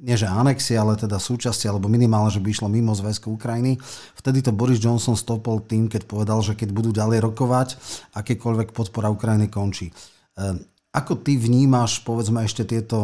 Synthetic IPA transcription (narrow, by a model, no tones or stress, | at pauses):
ɲɪɛʒɛanɛksiɛalɛt̪ɛd̪asuːt͡ʃascialɛbɔminimaːlɲɛʒɛbiiʃlɔmimɔzʋɛskuukɾajinift̪ɛd̪it̪ɔbɔɾizd͡ʒɔnsɔnst̪ɔpɔlt̪iːmkɛcpɔʋɛd̪alʒɛkɛɟbud̪uːɟalɛjɾɔkɔʋacakɛːkɔʎʋɛkpɔt̪pɔɾaukɾajinikɔnt͡ʃiː | akɔt̪iʋɲiːmaʃpɔʋɛd͡zmɛɛʃcɛt̪ɪɛt̪ɔ